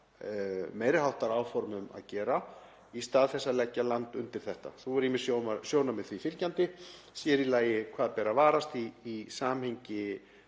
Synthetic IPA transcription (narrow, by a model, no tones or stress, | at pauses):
meːjɾɪhawht̪aɾaːwfɔɾmʏma̰ðcɛːɾa | ist̪aːðθɛsːalɛcːalant̪ʏnt̪ɪɾ̥θɛht̪a̰θuvɔɾimːɪ̥sjoːwmasjoːwnamɛðθvifɪlcant̪ɪ | sjɛɾilaːjɪkʰv̥aːðpɛːɾavaːɾast̪iːsaːmhejɲcɪ